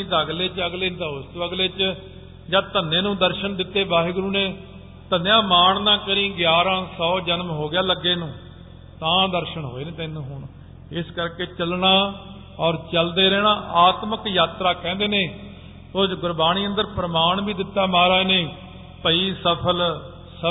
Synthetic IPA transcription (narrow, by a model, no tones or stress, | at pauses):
ĩːd̪aːəɡleːt͡ʃəɡleːd̪əʊst̪əɡleːt͡ʃ | d͡ʒãːt̪ənːeːnũːd̪əɾʃənd̪ɪt̪ːeːbaːɦiːɡʊɾuːneː | t̪ənjãːmaːɳnãːkəɾĩːɡjaːɾãːsɔːd͡ʒənmɦoːɡɪjaːləɡːeːnũː | t̪ãːd̪əɾʃəɳɦo̰ːeːnẽːt̪ːnːũːɦʊɳ | ɪskəɾkeːt͡ʃəlɳaː | ɔːɾt͡ʃəld̪eːɾɛːɽ̃ãːʔaːt̪məkjaːt̪ɾaːkɛ̃ːnd̪eːneː | oːd͡ʒɡʊɾbaːñiːə̃nd̪əɾpɾəmaːɳbiːd̪ɪt̪ːaːmaːɾaːeːneː | pəiːsəpʰəl | sə